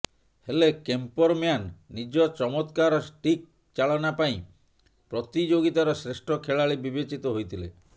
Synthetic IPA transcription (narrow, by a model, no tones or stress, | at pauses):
helekempɔɾmjanːid͡ʒɔt͡ʃɔmɔt̪kaɾɔsʈik̚ | t͡ʃaɭɔnapaĩ | pɾɔt̪id͡ʒoɡit̪aɾɔsɾesʈʰɔkʰeɭaɭibibet͡ʃit̪ɔɦojt̪ʰilḛ